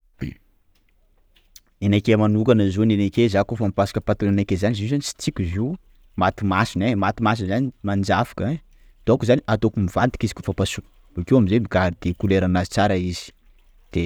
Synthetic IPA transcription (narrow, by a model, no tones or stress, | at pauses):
enakemanukanazonenekezakofamipasḁkəpat̪unanakezanizizanisi̥t͡sikʲuzi | mat̪imasinemat̪imas̬inzanimand͡ʒafḁkə | d̪̥okuzaniʔat̪okumivant̪i̥kizi̥kʲofapasunə̥ | ukewamizemiɡaɾid̪ekuleɾanazit͡saɾaiz̥i̥ | d̪̥e